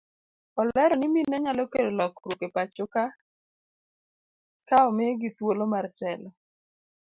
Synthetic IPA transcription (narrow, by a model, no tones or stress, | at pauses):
ɔlɛɾɔniminɛɲalɔkedolɔkɾukepat͡ʃʊka | kaɔmeɡit̪wolomartɛlɔ